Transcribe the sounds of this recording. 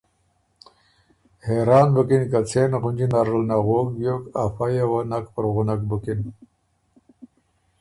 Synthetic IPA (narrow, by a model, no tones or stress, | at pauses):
heɾɑːnbʊkinkat͡sʰenɣʊnd͡ʑinaɾʐəlnaɣoːkjokafajawanakpəɾɣʊnakbukin